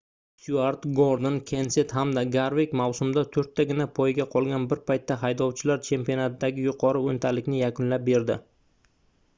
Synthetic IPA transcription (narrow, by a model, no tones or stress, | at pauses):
suaɾt̪ɡoɾd̪ɪnkʲʰenset̪ɦamd̪aɡaɾvekʲmawsʊmd̪at̪ʰɵɾt̪ːaɡʲɪnapʰojɡʲaqʰɒlˠɡʲanbɪɾpʰajt̪ːaɦajd̪ɒwt͡ʃʰɪlaɾt͡ʃʰe̞mpionat̪ʰɪd̪aɡʲɪjʊqʰɒɾɪont̪ʰalɪkʲnɪjakʰʊnlap̚be̞ɾd̪ɪ̰